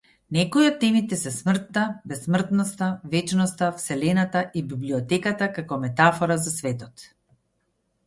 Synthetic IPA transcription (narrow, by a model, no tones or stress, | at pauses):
nɛkɔiɔt̪ːɛmit̪ɛsɛsmr̩t̪ːabɛsːmr̩t̪nɔst̪avɛt͡ʃnɔst̪afsɛlɛnat̪aʔibibliɔt̪ɛkat̪akakɔmɛt̪afɔɾazasvɛt̪ɔt̪